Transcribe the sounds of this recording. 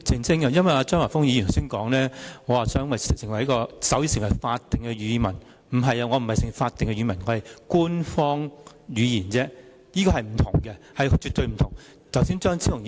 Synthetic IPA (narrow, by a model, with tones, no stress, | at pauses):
t͡sʰɪ˨˩ŋsɪ˥ŋkɐ˧jɐ˥nwɐ˨jaː˧t͡sœː˥ŋwaː˨˩fʊ˥ŋjiː˧˨t̪ʰwsiː˥nkɔː˨˥ŋlɛː˥ŋɔː˨˧waː˨sœː˥ŋwɐ˨jssɪ˨˩ŋwɐ˨˩jɐ˥kɔː˧sɐ˨˥wji˧sɪ˨˩ŋwɐ˨˩jfaː˧t̚t̪ːɪ˨ŋkɛ˧ɥyː˨˧mɐ˨˩n | m̩˨˩ɦɐ˨jɐ˧ŋɔː˨˧m̩˨˩hɐ˨jsɪ˨˩ŋwfaː˧t̪ːɪ˨ŋkɛ˧ɥyː˨˧mɐ˨˩nŋɔː˨˧hɐ˨jkuː˥nfɔː˥ŋ | ɥyː˨˧jiː˨˩nt͡sɛː˥ | jiː˥kɔː˧hɐ˨jm̩˨˩t̪ʰʊ˨˩ŋkɛ˧hɐ˨jt͡ʃyː˨˧t̚t̪ɵ˧ɥm̩˨˩t̪ʰʊ˨˩ŋ | t͡sɐ˨˩wsiː˥nt͡ʃœː˥ŋt͡sʰi˥ʊ˨˩˧